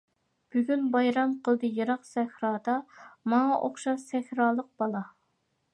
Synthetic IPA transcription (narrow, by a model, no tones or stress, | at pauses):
b̥yɡʲynbɑjɾɑmqʰəlˠd̪ɨjɑɾɑqsɛhɾɑːd̪ɑmɑŋɑʔoχʃɑʃsɛhɾɑːlˠəq̚b̥ɑlˠɑ